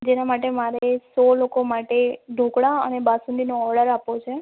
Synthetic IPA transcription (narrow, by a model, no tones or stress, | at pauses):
d͡ʒenamaʈemaɾesɔlokomaʈeɖʱõkɽaə̰nebasũnd̪inoɔɽəɾapot͡ʃʰe